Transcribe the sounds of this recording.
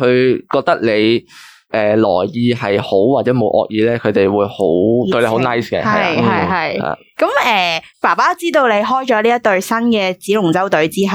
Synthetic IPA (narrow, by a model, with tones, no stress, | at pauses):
kʰɵ˨˧ɥkɔː˧k̚t̪ɐ˥k̚le˨˧j | ʔɛː˨˩lɔ̰ː˨˩jjiː˨˧ɦɐ˨jho˨˥wwaː˨t͡sɛː˨˥mo˨˧wʔɔ̰ː˧k̚jiː˨˧lɛː˥kʰɵ˨˧ɥt̪e˨jwuː˨˧jho˨˥wt̪ɵ˧le˨˧ho˨˧wnɐ˥˩jskɛ̰ː˧ɐ˨jɦɐ˨jɦɐ˨jha̰ː˨˩ | kɐ˨˥mɛː˨˩paː˨˩paː˥t͡siː˥t̪o˧wle˨˧jɦɔː˥jt͡ʃɔː˨˥liː˥ɐ˥t̪ɵ˧ɥsɐ˥nkɛː˧t͡siː˨˥lʊ˨˩ŋt͡sɐ˥wt̪ɵ˨˥ɥt͡siː˥ɦɐ˨